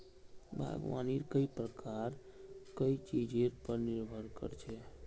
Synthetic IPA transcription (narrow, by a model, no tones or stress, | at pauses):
bʱa̰ɡʋa̰niɾkəipɾəkaɾ | kəit͡ʃid͡ʒeɾpəɾniɾbʱəɾkə̰ɾt͡ʃʰɛ